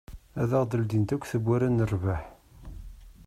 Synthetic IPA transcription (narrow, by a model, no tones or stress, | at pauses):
æðəʁd̪əld̪int̪ækʷːθəbːæɾænərvaħ